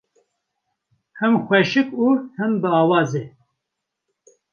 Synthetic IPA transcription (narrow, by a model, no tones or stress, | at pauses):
hɛmxʷɛʃɨkuːhɨnbɨɑːwɑːze